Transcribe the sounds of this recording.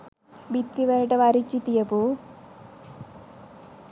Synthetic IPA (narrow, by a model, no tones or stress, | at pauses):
bit̪ːiʋeɾʈɐʋaɾit͡ʃːit̪ijɐpu